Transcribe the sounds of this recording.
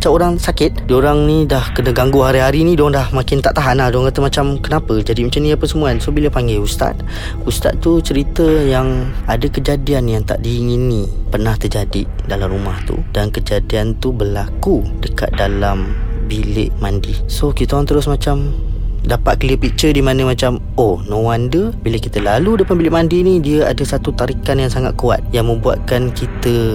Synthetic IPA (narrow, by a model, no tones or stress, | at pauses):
mat͡ʃamoɾaŋsakɪt̪̚dioɾaŋnidahkənəɡaŋɡuɦaɾiɦaɾinĩdɔŋdahmakɪnt̪aʔt̪aɦanadɔŋkat̪əmat͡ʃamkənapəd͡ʒadimat͡ʃamniəpəsəmuansobiləpaŋɡɛjust̪a̰t̪̚ | ust̪a̰t̪t̪ːut͡ʃəɾit̪əjaŋadakəd͡ʒadianjaŋt̪a̰ʔdiːŋinipərnaht̪ərd͡ʒadidalamɾumaht̪ṵdankəd͡ʒadiant̪ubərlaku | dəka̰t̪̚dalambilɪ̰ʔmandisokit̪aant̪əɾʊsmat͡ʃamdapat̪̚kəliəpit͡ʃədimanəmat͡ʃam | onowandəbiləkit̪əlaludəapanbilɪʔmandinidiəadəsat̪ut̪aɾikanjaŋsaŋat̪̚kua̰t̪̚jaŋmə̃mbua̰t̪̚kankit̪ə